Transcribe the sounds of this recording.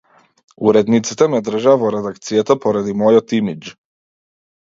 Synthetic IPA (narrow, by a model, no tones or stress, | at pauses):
uɾɛd̪nit̪si̥t̪ɛmɛd̪r̩ʒavɔɾɛd̪akt̪sijat̪apɔɾad̪imɔjɔt̪imid͡ʒ